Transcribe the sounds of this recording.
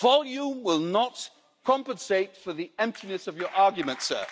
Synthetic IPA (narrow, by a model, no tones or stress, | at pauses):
v̥ɑlˠjũmwɪlˠnət | kʰɑ̃mpə̃nseɪtfəðiɛ̃mp̚tʰinɨsʌvjə˞ʔɑɹɡjɨmə̃ntsɜ̰˞